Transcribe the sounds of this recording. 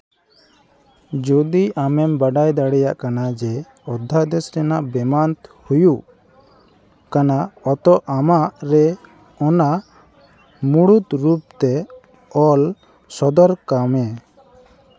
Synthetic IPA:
d͡ʒɔd̪iʔamɛmbaɖajd̪aɽɛjaʔkanad͡ʒɛ | ɔd̪ʱːad̪ɛsɾɛnaʔbɛmant̪hujuʔ | kanaɔt̪ɔʔamaʔɾɛ | ɔna | muɽut̪ɾup̚t̪ɛ | ɔl | sɔd̪ɔɾkamɛ

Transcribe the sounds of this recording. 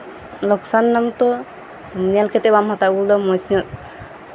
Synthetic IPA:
lɔksanːamt̪ɔ | mijalkʰɛt̪ɛbamhat̪aɡuld̪ɔmɔsnɔt̪̚

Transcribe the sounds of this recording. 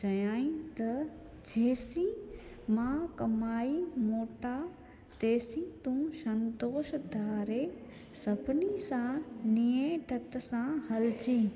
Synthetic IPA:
t͡ʃɐjaːĩt̪ɐ | d͡ʑeːsĩ | mãkɐmaːimoːʈa | t̪eːsĩt̪ũʃɐ̃nt̪oːʃd̪ʱaːɾe | sɐbʱnisãnijeʈʰɐt̪sãhɐlt͡ɕĩː

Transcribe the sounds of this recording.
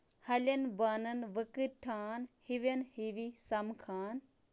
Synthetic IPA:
hɐlʲɐnbɐnɐnʋɨkɨʈʰaːnhiʋɐnhiʋisɐmkʰaːn

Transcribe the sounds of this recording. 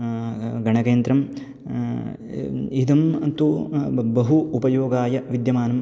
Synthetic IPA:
ɡɐɳɐkeːnd̪ɾɐm | id̪ɐmt̪ubɐɦuːpɐjoːɡaːjɐʋid̪jɐmaːnɐm

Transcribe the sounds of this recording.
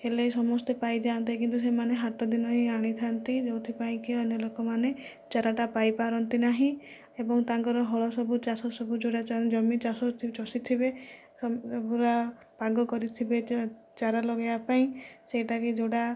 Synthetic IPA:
helesɔmɔst̪epajd͡ʒant̪ikint̪us̬emaneɦaʈɔd̪inɔɦĩaɽ̃it̪ʰant̪id͡ʒowt̪ʰipaĩkiɔnɔlokɔmane | t͡ʃaɾaʈapajpaɾɔnt̪inaɦĩ | ebɔŋt̪aŋkɔɾɔɦɔɭɔsɔbut͡ʃasɔsɔbud͡ʒoɽat͡ʃad͡ʒɔmit͡ʃasɔt͡ʃɔsit̪ʰibe | buɾa | paɡɔkɔɾit̪ʰibe | t͡ʃaɾalɔɡajapaĩseʈakid͡ʒoɽa

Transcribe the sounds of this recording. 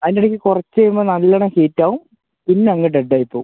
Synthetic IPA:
ɐðiniɽekʲːɨkurɐt͡ɕːɐːjumbɐnɐlːɐɳɐkeːtːaːʋum | pinːeɐŋːɐɖeɖːaːjipːoː

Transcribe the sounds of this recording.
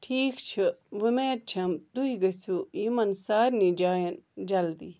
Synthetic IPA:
ʈʰiːkt͡ʃʰɨʋimeːt̪̚t͡ʃʰɐmt̪uiɡɐsuiːmɐnsaːɾnid͡ʒaːjɐnd͡ʒɐld̪i

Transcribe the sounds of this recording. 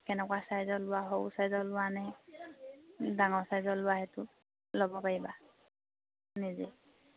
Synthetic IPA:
kɛnɛkwasajzɔlʊaɦoʊsajzɔlʊwanaj | daŋɔɹsajzɔlʊwaɦɛtʊ | lɔbɔpaɹiba | nizḛ

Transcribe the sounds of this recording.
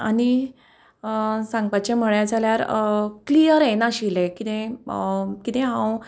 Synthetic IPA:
ani | sãŋɡ̚pat͡ɕem̤əɭjad͡zʱaljaɾklijəɾenaɕilekit̪ẽ | kit̪ẽɦãw

